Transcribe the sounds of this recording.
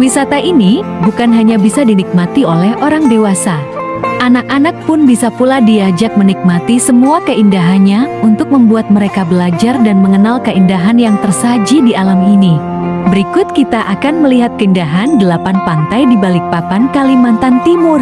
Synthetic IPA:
wisat̪aʔinibukanɦaɲabisadinik̚mat̪iolɛhʔoɾaŋdewasa | ʔanakanak̚pʊnbisapuladiad͡ʒak̚mənik̚mat̪isəmuakəindaɦanɲaunt̪ʊk̚məmbuat̪̚məɾekabəlad͡ʒardanməŋənalkəindaɦanjaŋt̪ərsad͡ʒidialamini | bəɾikʊt̪̚kit̪aʔakanməliɦat̪̚kəindaɦandəlapanpant̪ajdibalɪk̚papankalimant̪ant̪imʊr

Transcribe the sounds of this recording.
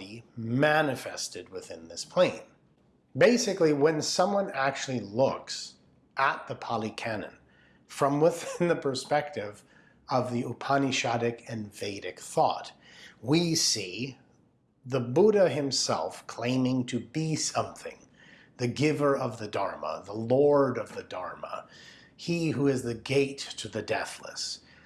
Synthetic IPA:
imænɨfɛ̰stɨd̚wɨθɪ̃nðɪspʰl̥ẽɪ̃n | beɪsɨkliwɨ̃nsʌ̃mwʌ̃næk̚t͡ʃʉl̩ˠilʊks | ʔət̪̚ðɨpʰɑlˠikʰænɨ̰̃n | fɹʌ̃mwɪθɪ̃nðɨpʰə˞spɛk̚tɪv | ʌvðiupʰɑniʃɑɾɨkɨ̃nveɪɾɨkθɔ̰t̚ | wisi | ðəbuɾɨɨ̃msɛ̰lˠfkʰl̥ẽɪ̃mɪ̃ŋtʰɨbisʌ̃mθɪ̰̃ŋ | ðɨɡɪvə˞ʌvðɨdɑɹmə̰ðəlɔɹɾʌvðɨdɑ̰ɹmə̰ | iɦuɪzðɨɡeɪtʰɨðɨdɛθlə̰s

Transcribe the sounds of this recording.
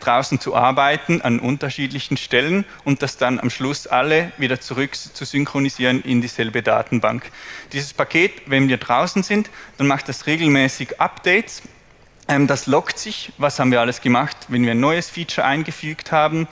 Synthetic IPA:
d̥ʁaʊsn̩t͡suʔa̰ɐbaɪtn̩anʔʊntɐʃiːdlɪçn̩ʃtɛlən | ʊnt̚d̥asd̥ana̰mʃlʊsʔaləviːdɐt͡suʁʏkt͡suzʏŋkʁ̥oniziːʁənʔɪndiːz̥ɛlbəda̰ːtn̩ba̰ŋkd̥iːzəspakʰeːtvɛnviːɐdʁaʊsn̩zɪntd̥anmaχtd̥asʁeːɡl̩mɛːsɪɡʔapd̥ɛɪts | ʔɛmd̥aslɔktsɪçvashaːbm̩nviːɐaləsɡ̥əmaxtvɛnviːɐaɪnːɔʏəsfiːt͡ʃɐʔaɪnɡəfyːkthaːbn̩

